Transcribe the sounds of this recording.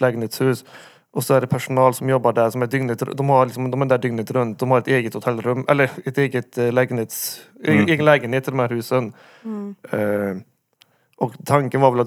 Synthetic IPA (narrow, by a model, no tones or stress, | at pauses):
lɛɡəneːt̪shʉːs | ʔɔsɔæɖɛpʰæʂʊnɑːlsɔmjɔbːɑɖæɾsɔmɛd̪ʏŋnət̪ɾd̪ɔmhɑɾlɪksɔmd̪ɔmæd̪æːɖ̪ʏŋnət̪ɾʉnt̪̚d̪ɔmhɑɾɛt̪eːɡət̪hʊt̪ʰɛlːɾʉmːɛ̰lːəɾɛt̪eːɡət̪lɛɡənheːt̪seːɡənlɛːɡənheːt̪ʰːɪld̪ɛmhæːɾhʉːsən | ʔɔkt̪ʰɑŋkənʋɑɾʋɛlɑ